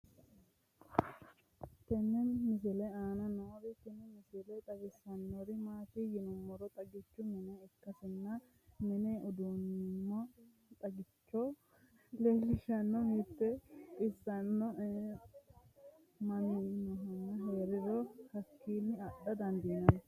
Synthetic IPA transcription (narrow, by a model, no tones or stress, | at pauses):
k̪ɛnːɛnmɪs̬ɪlɛaːnɐnoːɾɪk̪ɛnɛmɪsɪlɛt̪ʼɐɡɪsɐnːɔɾɪmaːt̪ijɪnʊmːɔɾɔt̪ʼɐɡɪt͡ʃːʊmɛnɛɛkːɐsɪnːɐ | mɛneʔʊd̪unːɪmːɐ | t̪ʼɐɡɪt͡ʃːɔ | lɛlɪʃɐnːɔmɪt̪ːɛkʼɪsːɐnːɔʔ | mɐnɪnɔɦɐnːɐɦeːɾɪɾɔhɐkːiːnːɪɐɗɐd̪ɐnd̪ɪnɐn